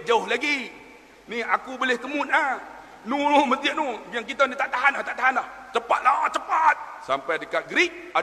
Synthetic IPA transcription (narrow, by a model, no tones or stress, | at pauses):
d͡ʒaʊhlaɡi | niakubolɪhk̪əmunah | nunumət̪iaʔnujaŋk̬it̪ənit̪aʔt̪aɦanaht̪aʔt̪aɦanlaht͡ʃəpa̰t̪̚lat͡ʃəpat̪̚sampadəkat̪̚ɡɾik̚ | a